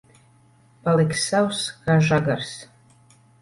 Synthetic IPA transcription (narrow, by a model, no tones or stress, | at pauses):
paleksawskaʒaɡars